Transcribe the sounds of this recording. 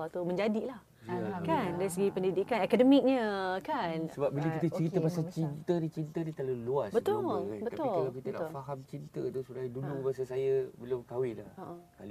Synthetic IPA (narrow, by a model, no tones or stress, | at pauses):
at̪umə̃ɲd͡ʒadilah | kandaɾisəɡipəndidikanɛkadəmĩk̚ɲəkansəbap̚bilakit̪ət͡ʃəɾit̪əpasalt͡ʃint̪ənit͡ʃint̪ənit̪aloluasbət̪ʊlbət̪aʊillakit̪ənafaɦamt͡ʃint̪ət̪usudajdulumasasajabəlʊmkawɪlaəʔəkali